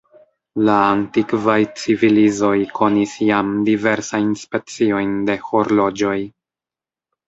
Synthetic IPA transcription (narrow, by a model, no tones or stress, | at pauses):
laːntikvajt͡sivilizo̞jkʰo̞nisjamdive̞ɾsajnspe̞t͡sio̞jnde̞ho̞ɾlo̞d͡ʒo̞j